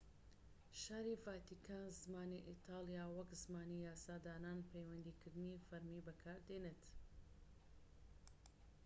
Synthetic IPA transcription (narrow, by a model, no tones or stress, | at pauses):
ʃaːɾivaːt̪ikʰaːnzmaːniʔit̪ʰaːlˠijaːwɐkzmaːnijaːsaːd̪aːɾaːnpʰejwɐnd̪iːkɨɾd̪ɨniːfɐɾmiːbɐkʰaːɾd̪eːneːt̪